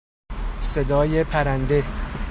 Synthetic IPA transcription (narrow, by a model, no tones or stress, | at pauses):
se̞d̪ɒːjepʰæɾænd̪e̞